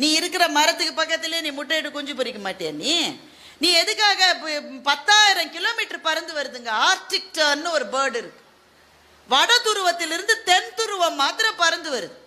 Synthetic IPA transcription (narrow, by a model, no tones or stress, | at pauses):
nĩːɪɾɯkːɪɾɐmɐɾɐt̪ːɯkːɯpɐkːɐt̪ːɪleːnĩːmʊʈːeːʈːɯkɔɲd͡ʒɯpɔɾɪkːɐmaːʈːeɐniː | nĩːɛðɯkːaːɣɐpɐt̪ːaːjɪɾɐ̃mkɪloːmiːʈːɐɾpɐɾɐnd̪ɯʋɐɾɯðɯŋɡɐaːɾʈɪk̚ʈɐnnɯɔɾɯbɐːɾɖɪɾɯkːɯ̥ | ʋɐɽɐt̪ʊɾʊʋɐt̪ːɪlɪɾɯnd̪ɯt̪ɛnt̪ʊɾʊʋɐmːaːt̪ɪɾɐ̃pɐɾɐnd̪ɯʋɐɾɯðɯ